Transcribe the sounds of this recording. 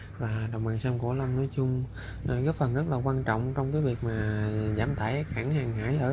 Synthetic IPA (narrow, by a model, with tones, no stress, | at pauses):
vaː˨˩ɗɔ˨˩wŋ͡mma̰ː˨nsə˧mku˧˩ələ˧wŋ͡mnɔ˨˦jt͡ɕʊ˧ŋ͡m | ɣəː˨˦fə˨˩nzə˦˥t̚laː˨˩kwaː˧nt͡ɕɔ̰˧˨wŋ͡mt͡ɕɔ˧wŋ͡mkaː˨˦jvi˨˩ək̚maː˨˩zaː˧˩mt̪ʰaː˧˩jxaː˧˩ŋhaː˨˩ŋhaː˧˥˦jʔəː˧˩